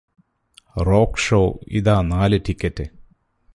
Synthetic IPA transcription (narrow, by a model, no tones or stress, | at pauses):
roːkʂoːḭðaːnaːlɨʈikʲːɐtːɨ